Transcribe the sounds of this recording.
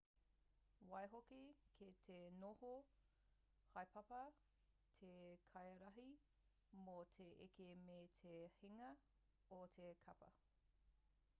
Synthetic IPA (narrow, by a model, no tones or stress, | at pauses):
wɐjɦokikʰetʰenoho | hɐjpʰɐpɐ | tʰekʰɐjɐɾɐɦi | motʰeʔekemeːtʰehiŋɐ | otʰekʰɐpɐ̰